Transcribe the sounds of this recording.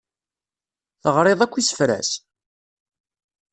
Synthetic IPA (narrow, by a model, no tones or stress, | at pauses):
θəʁɾˤeðˤækʷːisə̥fɾæ̰s